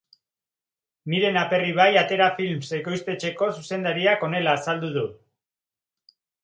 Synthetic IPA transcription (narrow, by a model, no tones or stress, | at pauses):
niɾe̞nape̞riβ̞ajat̪e̞ɾafilmse̞ko̞jst̪e̞t͡ʃe̞ko̞suse̞nd̪aɾiako̞ne̞laːsald̪uðu